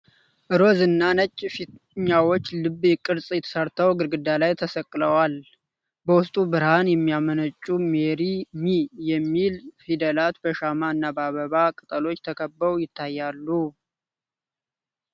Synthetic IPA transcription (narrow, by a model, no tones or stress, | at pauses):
ʔɨɾo̞zɨnːanət͡ʃʼfi | ɲawot͡ʃːlɨbːjɪkʼːɨɾsʼjɛt̪ʰə̥səɾt̪ʰəwɡɨɾɡɨd̪alajt̪ʰəsəkʼːləwal | bəwʊst̪ʼubɨɾhanjɛmːijamənət͡ʃʼːumeɾimijɛmːilfid̪əlat̪bəʃamaɨnːabaβəβakʼɨt̪ʼəlo̞t͡ʃːt̪ʰəkʰəbəɾujɪt̪ʰːajːalːu